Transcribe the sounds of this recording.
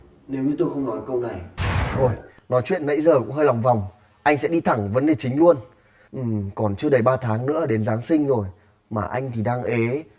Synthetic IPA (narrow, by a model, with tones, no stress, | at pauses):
ne˨˦wɲɨ˨˧˦t̪o˧jxə˧wŋ͡mnɔ˨˦jkə˧wna˨˩jt̪ʰo˧˩j | nɔ˨˦jt͡ɕwḭ˧˨ənːə̰˧˥jzəː˨˩kʊ̰˧˥ŋ͡mɦəː˧jla˨˩wŋ͡mva˨˩wŋ͡m | ʔa˧jŋ̟sɛ̰˧˥ɗi˧t̪ʰa˧˩ŋvə˨˦nɗe˨˩t͡ɕï˨˦ŋ̟lu˧ən | ʔɨ˨˩kɔ˨˩nt͡ɕɨ˧əɗə˧˩jɓaː˧t̪ʰaː˨˦ŋnɨ̰˧˥əɗe˨˦nzaː˨˦ŋsï˧ŋ̟zo˨˩j | maː˨˩ʔa˧jŋ̟t̪ʰi˨˩ɗaː˧ŋʔe˨˦